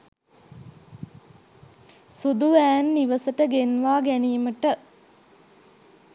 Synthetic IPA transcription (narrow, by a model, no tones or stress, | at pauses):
sud̪uʋæːnːiʋəsəʈəɡenʋaːɡæniːməʈə